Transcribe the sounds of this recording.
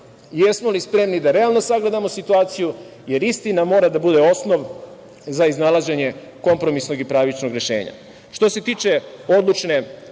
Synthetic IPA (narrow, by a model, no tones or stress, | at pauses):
jesmolispɾe̞mnid̪aɾe̞alˠno̞saɡle̞d̪amosit̪uaːt̪siju | je̞ɾist̪inamo̞ːɾad̪abud̪eo̞sno̞ʋ | zaiznalaʒe̞ɲe̞ | ko̞mpɾo̞misno̞ɡipɾaʋit͡ʃno̞ɡɾe̞ʃḛːɲa̰ | ʃt̪o̞se̞t̪iːt͡ʂe̞o̞d̪lut͡ʃne̞